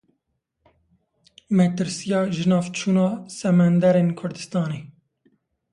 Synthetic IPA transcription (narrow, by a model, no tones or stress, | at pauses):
mɛt̪ɨɾsijɑːʒɨnɑːvt͡ʃʰuːnɑːsɛmænd̪æɾeːnkʰʊɾd̪ɨst̪ɑːneː